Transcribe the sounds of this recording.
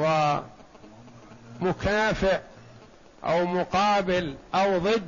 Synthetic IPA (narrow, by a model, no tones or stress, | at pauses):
wa | mʊkʰaːfɪʕ | ʔa̰wmʊqɑːbɪlʔawðˤɨd̪